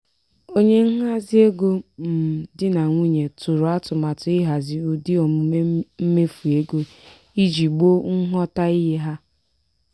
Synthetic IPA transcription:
o˦ɲe˦ŋ̩˦ɦa˦zɪ˦e˦ɡo˦m̩˨dɪ˦na˨ŋʷi˦ɲe˨tʊ˨ɾʊ˨a˦tʊ˨ma˨tʊ˨ɪ˦ɦa˨zɪ˨u˨di˦ɔ˨m˨˦m̩˦me˦fu˨e˦ɡo˦ | i˦d͡ʒi˨ɡ͡bo˦ŋ̩˦ɦɔ˦ta˦i˦ɦe˦ɦa˦

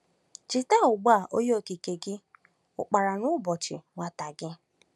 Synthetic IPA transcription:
t͡ʃɪ˨ta˦ʊ˨ɡ͡ba˦˨ʔo˦jo˦˨ki˨ke˨ɡɪ˦ | ʊ̰˨k͡pa˨ɾa˨nʊ˦bɔ˨t͡ʃɪ̰˨ŋʷa˦ta˨ɡɪ˦

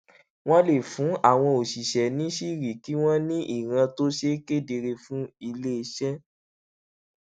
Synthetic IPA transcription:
w̃ɔ̃˦le˨fũ˨˦a˦˨w̃ɔ̃˧o˨ʃi˨ʃɛ˨nĩ˨˦ʃi˦˨ɾi˨ki˨˦w̃ɔ̃˦nĩ˦ʔi˦˨ɾ̃ã˧to˦ʃe˦ke˦de˧ɾe˧fũ˦i˧le˦e˧ʃɛ˦

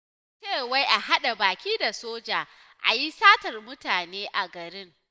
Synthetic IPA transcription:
t͡ʃeː˦˨wa˦jʔa˨ha˦ɗa˨baː˨kʲiː˦da˨soː˦d͡ʒaː˨ | ʔa̰˨ji˦saː˦tɐ˨rmʊ˦taː˨neː˦ʔa˨ɡɐ˨ɾɪ˦ŋ

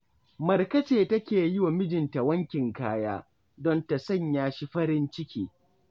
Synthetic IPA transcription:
mɐ˨rkɐ˦t͡ʃeː˨tɐ˦kʲeː˨jɪ˦wa˨mɪ˦d͡ʒɪ˨nta˨wɐ˦ŋkʲɪ˨ŋkaː˦jaː˦ | dɔ˦nta˨sɐ˦˨ɲjaː˦ʃi˦ɸɐ˦ɾɪ˦nt͡ʃɪ˦kʲiː˨

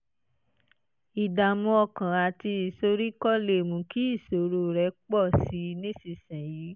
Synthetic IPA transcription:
i˨da˨mũ˧ɔ˧˨kã˨a˨ti˧i˨so˧ɾi˦kɔ˦˨le˨mũ˨˦ki˦i˦˨so˨˦ɾo˧ɾɛ˨˦k͡pɔ˦˨si˨˧˦nĩ˦si˧˨sɛ̃˨jiː˨˦

